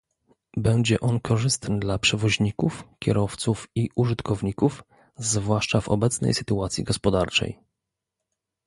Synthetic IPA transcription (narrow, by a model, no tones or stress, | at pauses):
bɛɲd͡ʑɛʔɔnkʰɔʐɘst̪nɘd̪lapʂɛvɔʑɲikufkʲɛɾɔft̪sufiʔuʐɘt̪kʰɔvɲikuf | zvwaʂt͡ʂavɔ̰bɛt̪snɛ̰jsɘt̪uat̪sʲjḭɡɔspɔd̪aɾt͡ʂɛ̰j